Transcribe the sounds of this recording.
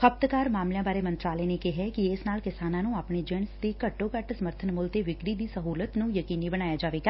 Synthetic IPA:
kʰəb̚t̪kaːɾmaːmljãːbaːɾeːmənt̪ɾaːlɛːneːkɪɦɛːkɪɪsnaːlkɪsaːnãːnũːaːpɳeːd͡ʒɛɳsd̪iːkəʈːoːkəʈsəməɾt̪ʰənmʊlt̪eːʋɪkɾiːd̪iːsəɦuːlət̪nũːjəkiːniːbəñaːjaːd͡ʒaːʋeːɡaː

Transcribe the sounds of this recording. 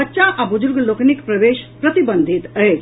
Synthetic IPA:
ətːʃaʔabʊd͡ʒʊɾɡloːknikpɾɐʋeːʃpɾɐt̪ibənd̪ʱit̪əe

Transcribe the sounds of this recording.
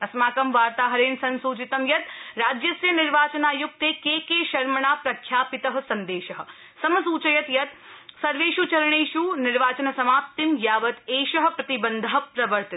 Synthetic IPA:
ɐsmaːkɐmʋaːɾt̪aːɦɐɾeːnsɐnsuːt͡ʃit̪ɐmjɐt̪ɾaːd͡ʒjɐsjɐnɪɾʋaːt͡ʃɐnaːjuk̚t̪eːkeːkeːʃɐɾmɐɳaːpɾɐkʰjaːpɪt̪ɐɦɐ̆sɐnd̪eːʃɐɦɐ̆ | sɐmɐsuːt͡ʃɐjɐt̪jɐt̪̚sɐɾʋeːʃut͡ʃɐɾɐɳeːʃunɪɾʋaːt͡ʃɐnɐsɐmaːt̪ːimjaːʋɐt̪eːʃɐɦɐ̆pɾɐt̪ibɐnd̪ʱɐɦɐ̆pɾɐʋɐɾt̪i

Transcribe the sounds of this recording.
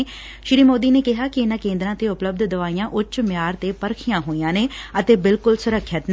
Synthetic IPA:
ʃɪɾiːmoːd̪iːneːkɪɦaːkɪɪnãːkẽːnd̪ɾãːt̪eːʊpləb̚d̪d̪əʋaːijãːʔʊt͡ʃmjaːɾt̪eːpəɾkʰɪjãːɦoːijãːneːət̪eːbɪlkʊlsʊɾəkʰːət̪n

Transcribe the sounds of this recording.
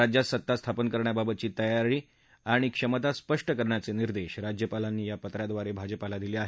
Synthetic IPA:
ɾad͡ʑjasət̪ːast̪ʰapənkəɾɳjababət̪̚t͡ɕiːt̪əjaɾiː | aɽ̃ikʂəmət̪aspəʂʈəkəɾɳjat͡seniɾd̪eɕɾad͡ʑjəpalanːiːjapət̪ɾjad̪ʋaɾebʱad͡ʑəpalad̪ileaɦe

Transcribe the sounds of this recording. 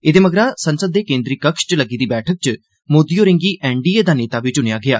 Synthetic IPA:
ed̪eːməɡɾaːsənsəd̪ːeːkẽːnd̪ɾiːkəkʃt͡ʃləɡiːd̪iːbɛːʈʰək̚t͡ʃ | moːd̪iːoːɾɪ̃ŋɡiːʔɛːɳɖiːeːd̪aːneːt̪aːʋɪt͡ʃɦʊnejaːɡɪa̰ː

